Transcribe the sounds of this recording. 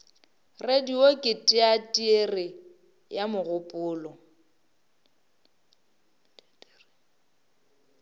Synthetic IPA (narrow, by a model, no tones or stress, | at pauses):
rediokʼɪtʼɪatʼierɪ | jamʊɣʊpʼʊːlɔ